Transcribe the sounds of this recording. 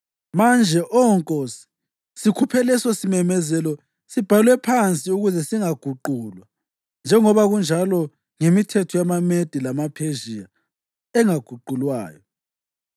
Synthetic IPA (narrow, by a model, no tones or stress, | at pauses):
mand͡ʒʱɛʔɔɔŋkʼosi̥ | sikʰupʰɛlɛsɔsimɛmɛzɛlɔ | sib̥ʱalwɛpʰant͡sʼiuɣuzɛsiŋaɡ̥ʱuǃulwa | nd͡ʒʱɛŋɔβaɣund͡ʒʱalɔ | ŋemitʰɛtʰɔjamamed̥ʱilamapʰeʒija | ɛŋaɡ̥ʱuǃulwa̰ːjɔ